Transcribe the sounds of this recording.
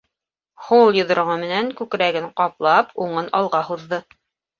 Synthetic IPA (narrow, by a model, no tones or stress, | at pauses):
hulˠjɤ̆ðŏɾʁɤmɘ̆næŋkʉkɾæɡɘɴqɑplˠɑpʰuɴɤnɑlˠʁɑhuðːɤ